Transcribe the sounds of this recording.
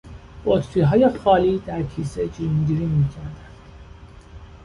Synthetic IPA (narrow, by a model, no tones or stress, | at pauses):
b̥ot̪ʰfiːɦɒːje̞xɒːliːd̪æɾcʰiːsed͡ʒiunɟiːɾiːmiːcʰæɾd̪ænd̪̥